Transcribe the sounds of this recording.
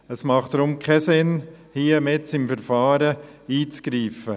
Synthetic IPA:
əsmɑχtɾʊmkʰɛsɪn | hiːəmɪtsɪmfɛɾfɑːɾə | iːt͡sɡ̥ɾiːfə

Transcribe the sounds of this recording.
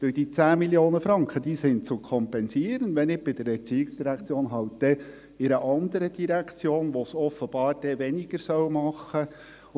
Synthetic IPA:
v̥ød̥iːt͡sæːmiljoːnəfɾɑŋkχəd̥iːsɪnt͡sʊkʰɔmpɛnsiːəɾənʋɛnɪb̥ɪd̥̪əɾɛɾt͡siːɪksd̥iɾækt͡sjoːnɦɑltd̥̪ɛ | ɪɾəʔɑnd̪əɾəd̥iɾækʰt͡sjoːnʋosɔfəb̥ɑːɾd̥ɛʋɛnɪɡəɾsœwmɑχːə

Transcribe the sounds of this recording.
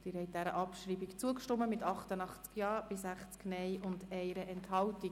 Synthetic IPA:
d̥ɪːɾhɛjt̚d̥̪æɾəʔɑpʃɾiːbikt͡suəkʃtɔmːəmɪtɑχtənɑχt͡skjɑːɾb̥ɪsæχt͡sknɛɪʔʊndɛɪɾəʔɛnthɑwti

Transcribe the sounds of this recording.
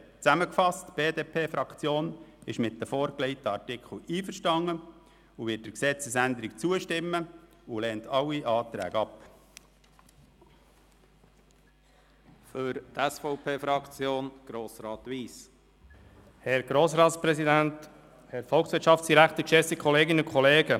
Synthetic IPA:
t͡sæməkfɑstb̥eːd̪eːpʰeːfɾɑkt͡sjoːnɪʃmɪt̚dəfoːɾkleɪt̪əɑɾtɪkʰχl̩iːfəɾʃtɑŋːə | uʋɪt̚d̥əɾksɛt͡səsænd̪əɾɪkt͡suəʃtɪmːə | ulɛːntʰɑlːiʔɑːt̪ɾæ̰ːɡəɑp | føɾt̪æsfɔʊpʰeːfɾɑkt͡sjoːnɡ̥ɾoːsɾɑːt̪ʋiːs | hɛɾɡ̥ɾoːsɾɑːt̪spɾɛsid̪ænt̪ | hɛɾfɔlˠksʋɪɾtʃɑftsd̥̪iɾækχt̪əkʃɛsikʰχɔleːɡɪnəʊkʰχɔleːɡə

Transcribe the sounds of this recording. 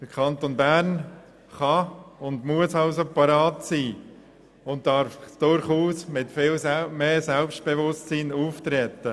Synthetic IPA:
d̥əɾkʰɑnt̪onbæːɾn | χɑʊndmuəsɑʊs̬opɑɾɑːtsiː | ʊnt̚tɑɾfd̥ʊɾχuːsmɪtfɪlmeːsɛlpst̚b̥evʊstsiːnuːft̪ɾɛt̪ːə

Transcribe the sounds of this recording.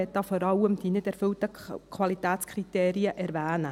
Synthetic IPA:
ɛt̚dɑfɔɾɑləmd̥̪inɪtɛɾfɵltəkʰʋɑlit̪æːt͡skʰrit̪eːɾiəʔɛɾʋæːnə

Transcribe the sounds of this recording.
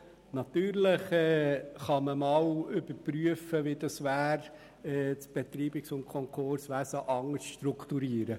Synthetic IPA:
nɑt̪yːɾləχɛːχɑməmɑːwʏb̥əɾpɾyəfəʋid̥̪ɑsʋæːɾ | ɛt͡sb̥ɛt̪ɾiːbɪksʊntkʰɔŋkʰoɾsʋæsəʔɑŋəstʃtɾʊkʰt̪uɾiːəɾə

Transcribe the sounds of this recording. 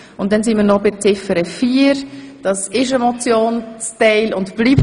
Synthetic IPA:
ʊnt̚dɛnsinməːɾnɔbɪt͡sɪfəɾəfiːəɾd̥ɑsɪʃəmɔt͡sjoːnt͡stɛɪlʊntb̥liːp

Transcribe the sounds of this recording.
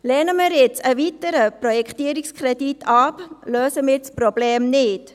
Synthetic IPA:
lɛːnəmɪːɾjɪt͡səvitəɾəprojɛkχtiːəɾikskʰrɛditʰɑpløːsəmɪːɾsprobleːmnɪt

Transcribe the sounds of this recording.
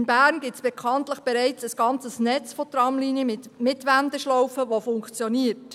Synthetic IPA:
nbæːɾnɡɪsb̥ɛkʰɑntləχb̥ɛɾɛɪt͡səsɡ̥ɑnt͡səsnɛt͡sfot̪rɑmliːnjəɪmɪtʋænd̪əʃlɔwfəʋofʊŋkt͡sjoniːərt

